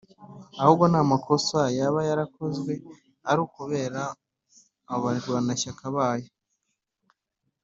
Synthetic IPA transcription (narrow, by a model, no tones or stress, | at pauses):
ahubɡo̞namako̞sajaβajaɾako̞zɡwe̞ | aɾuːkuβe̞ːɾaː | βaɾwanaçakaβaːjo